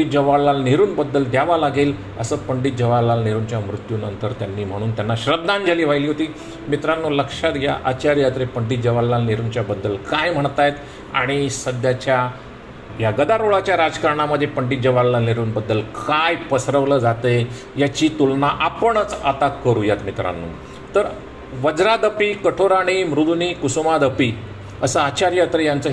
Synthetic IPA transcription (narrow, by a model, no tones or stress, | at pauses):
it̪̚d͡ʑəʋalːaniɾuːnbəd̪ːəld̪jaʋalaɡel | əsəːpəɳɖit̪̚d͡ʑəʋalːaniɾuːnt͡ɕjamɾut̪juːnənt̪əɾt̪janːiːm̤əɽ̃uːnt̪janːaɕɾəb̪d̪ãnd͡ʑʱaliːʋajliːɦot̪iː | mit̪ɾanːoləkʂat̪ja̰ʔat͡ɕaɾjat̪ɾepəɳɖit̪̚d͡ʑəʋalːaniɾuːnt͡ɕjabəd̪ːəlkajm̤əɳt̪ajt̪ | a̰ɽ̃isəd̪jat͡ɕja | jaɡəd̪aɾoɭat͡ɕjaɾad͡zkaɾɳaməd̪ʱːjepəɳɖit̪̚d͡ʑəʋalːaneɾuːnbəd̪ːəlkajpəsɾəʋləːd͡zat̪əj | jat͡ɕiːt̪ulnaʔapəɳət͡sat̪akəɾujat̪mit̪ɾa̰nːṵː | t̪əɾ | ʋəd͡zɾad̪əpiːkəʈʰoɾaɽ̃imɾud̪ʱuniːkusumad̪əpiː | əsəat͡ɕaɾjat̪ɾejant͡səː